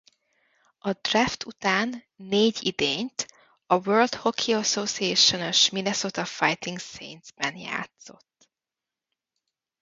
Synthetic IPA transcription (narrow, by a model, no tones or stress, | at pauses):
ɒd̪raːft̪ʰut̪aːnː | eːɟid̪eːɲt̪ | ɒʋøːld̪ho̞kʰiɒsoːsieːʃonoʃminɛsoːt̪ɒfajt̪iŋɡsḛːnd̪z̥bɛnja̰ːt̪so̞̰t̪ː